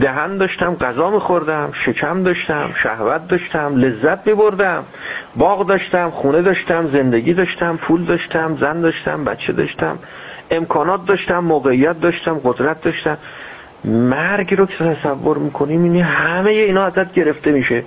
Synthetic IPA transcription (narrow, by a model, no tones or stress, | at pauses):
d̪æɦænd̪ɒːʃt̪æmɢæzɒːmiːxo̞ɾd̪æmʃe̞cʰæmd̪ɒːʃt̪æmʃæ̰hvæt̪̚d̪ɒːʃt̪æmle̞zːæt̪miːboɾd̪æm | bɒːɣd̪ɒːʃt̪æmχuːne̞d̪ɒːʃt̪æmze̞nd̪e̞ɟiːd̪ɒːʃt̪æmpʰuːld̪ɒːʃt̪ʰæmzænd̪ɒːʃt̪æ̰mbæ̰t̪t͡ʃʰːe̞d̪ɒ̰ʃt̪æ̰m | e̞mkʰɒːnɒːt̪̚d̪ɒːʃt̪æmːoːɣeijːæt̪̚d̪ɒːʃt̪æmɢod̪ɾæt̪̚d̪ɒːʃt̪æm | mæɾɡɾocʰet̪ʰæsævːoɾmiːkʰoniminihæmejeiːnɒːæzæt̪̚ɟe̞ɾe̞ft̪e̞miʃe